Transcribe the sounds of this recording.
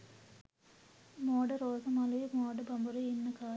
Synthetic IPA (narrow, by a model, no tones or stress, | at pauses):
moːɽɐɾoːsɐmɐlɐjmoːɖɐbɐmbuɾɐinːɐkaː